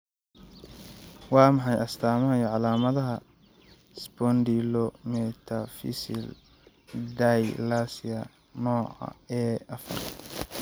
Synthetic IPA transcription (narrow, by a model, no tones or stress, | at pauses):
wɑːmɑħɑjʔɐst̪ʰaːmɐɦɐjɔʕɑlaːmɐðɐɦɐ | sbɔnd̪ilɔmɛt̪ʰɐfḭsɪ̰l | d̪ajlasɪɐ | nɔːʕɑ̰ɛːɐfɐ̰r